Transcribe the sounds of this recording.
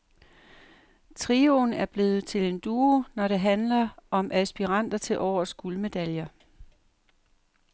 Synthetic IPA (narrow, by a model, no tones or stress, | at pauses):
t͡sʰʁio̝næɐb̥le̝ːð̩ˠt͡sʰe̝le̝nd̥uːonɒɾ̥e̝ɦænlɐʔɒ̽mʔæsb̥iʁɑn̰d̥ɐt͡sʰe̝lʔɒʊ̰ɐsɡ̥ulme̝d̥æljɐ